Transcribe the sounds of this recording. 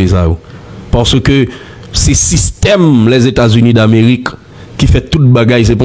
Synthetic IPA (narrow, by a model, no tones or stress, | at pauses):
esajopaʁsəkø | sɛsist̪ɛmlɛzet̪azynĩd̪ameʁikː | ifɛt̪ut̪̚baɡajs̬ɛpɔ̃